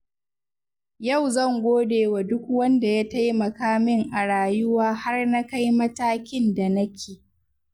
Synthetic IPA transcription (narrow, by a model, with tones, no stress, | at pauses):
jɐ˦˨wzɐ˦˨ŋɡʷoː˦deː˨wa˨dʊ˦k̚wɐ˦nda˨ja˦ta˦jmɐ˨kaː˦mɪ˦ŋʔa˨ɽaː˨jʊ˦waː˦ha˦rna˦ka˦jmɐ˦taː˦kʲɪ˦nda˨nɐ˦kʲʰeː˨